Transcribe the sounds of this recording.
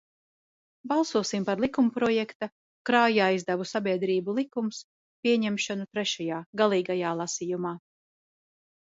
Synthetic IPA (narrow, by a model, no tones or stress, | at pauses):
bɑlˠsuɔsimpaɾlˠikumpɾɔjɛkt̪a | kɾaːjaːizd̪avusabʲiɛd̪ɾiːbulˠikums | pʲiɛɲɛmʃɔnut̪ɾɛʃajaːɡalˠiːɡajaːlˠasiːjumaː